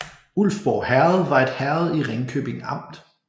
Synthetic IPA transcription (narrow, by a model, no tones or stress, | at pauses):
ul̰fb̥ɒʊhæɐð̩ˠʋɑ̈e̝d̥hæɐð̩ˠiʁeŋkʰø̰b̥e̝ŋ̩ɑ̈m̰d̥